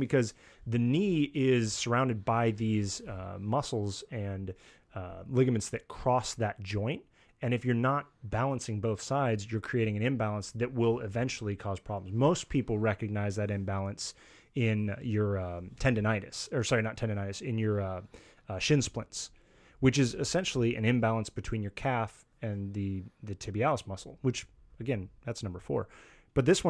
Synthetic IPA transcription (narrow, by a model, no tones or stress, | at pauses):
bɨkʰʌz | ðɨniɪz̥sə˞ãʊ̃ndɨd̚baɪðizmʌsl̩ˠzɨ̃n | lɪɡɨmɨ̃ntsðɨt̚kʰɹ̥ɔsðɨt̚d̥ʒ̥ɔ̃ɪ̃nt̚ | ɨ̃ñɨfjə˞nət̚b̥ælˠə̃nsɪ̃ŋboʊθsaɪdzjə˞kʰɹ̥ieɪɾɪ̃ŋɨ̃ñɨ̃mbælˠə̃nsðɨt̚wɪlˠɪvɛ̃nt͡ʃl̩ˠikʰɔz̥pʰɹ̥ɑblm̩zmoʊspʰipl̩ˠɹɛkɨɡ̚naɪzðɨɾɨ̃mbælˠə̃ns | ɪ̃njə˞tʰɛ̃ndɨnaɪɾɨsə˞sɑɹinətʰɛ̃ndɨnaɪɾɨsɪ̃njə˞ | ʃɪ̃nsplɪ̰̃nts | wɨt͡ʃɨzɨsɛ̃nʃl̩ˠiʔɨ̰̃nɨ̃mbælˠə̃nsb̥ɨtʰw̥ĩnjə˞kʰæf | ɨ̃nðɨðɨtʰɪbiɛlˠəsmʌsl̩ˠwɨt͡ʃ | ɨɡɛ̃nðætsnʌ̃mbə˞fɔ̰ɹ | b̥ʌt̪̚ðɪswʌ̃